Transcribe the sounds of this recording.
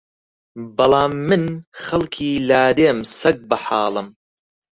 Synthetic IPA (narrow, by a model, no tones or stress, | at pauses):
bɐlˠaːmːɨnxɐlˠkʰiːlaːd̪eːmsɐɡ̚bɐħɑːlˠɨm